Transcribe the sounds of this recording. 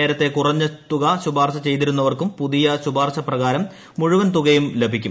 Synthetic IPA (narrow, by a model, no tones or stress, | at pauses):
eːɾɐt̪ːe̞kurɐɲːɨt̪uɣɐɕubaːrɕɐt͡ɕe̞jt̪̬iɾunːɐʋɐrkumpuðijɐɕubaːrɕɐprɐɣaːɾɐmː | uɻuʋɐnt̪uɣɐjumlebʱikʲːṵm